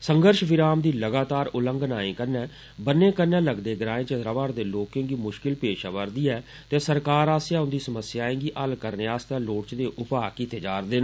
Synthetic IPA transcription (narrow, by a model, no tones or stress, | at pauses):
səŋɡəɾʃʋɪɾaːmd̪iːləɡaːt̪aːɾʊləŋɡnaːĩːkəɾnɛ̃ː | bənːẽːkənɛ̃ːləɡd̪eːɡɾãːẽːt͡ʃəd̪ɾaːbaːɾd̪eːloːkẽːŋɡiːmʊʃkɪlpeːʃaːʋəɾd̪iːɛː | t̪eːsəɾkaːɾaːsjãːʊ̃nd̪iːsəməsɪjaːẽːɡiːʔəlkəɾneːaːst̪ãːloːɽt͡ʃd̪eːʔʊpaːkɪt̪eːd͡ʒaːɾd̪eːnː